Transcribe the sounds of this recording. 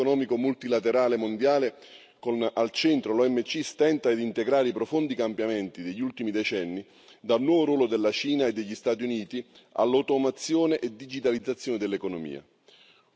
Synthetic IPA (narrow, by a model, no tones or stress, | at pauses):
nɔːmikomult̪ilat̪eɾaːlemond̪jaːle | konalt͡ʃɛnt̪ɾolɔɛmːet͡ʃːist̪ɛnt̪ad̪int̪eɡɾaːɾeipɾofond̪ikampjamɛnt̪id̪eʎːult̪imid̪ɛt͡ʃɛnːi | d̪alnwɔːvoɾwɔːlod̪elːat͡ʃiːnaed̪ːeʎːist̪aːt̪̬iuniːt̪i | a̰lːat̪ɔmat̪sːjoːneʔed̪id͡ʒit̪alid̪zːat̪sːjoːned̪elːekonomḭːa̰